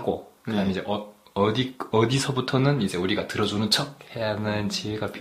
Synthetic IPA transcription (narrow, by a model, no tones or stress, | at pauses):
ɡo̰kɯɯaeid͡ʑe̞ʔʌʌdiʌdisʰʌbutʰʌnɯnid͡ʑe̞uɾiɡatɯɾʌd͡ʑunɯnt͡ɕʰʌk̚hejanɯnt͡ɕiweɡapʰ